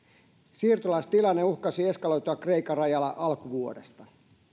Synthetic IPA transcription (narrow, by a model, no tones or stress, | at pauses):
siːrt̪olɑst̪ilɑnːeuhkɑsie̞skɑlo̞jt̪uɑkre̞ikˑɑrɑjɑlːɑʔɑlkuʋuodest̪ɑ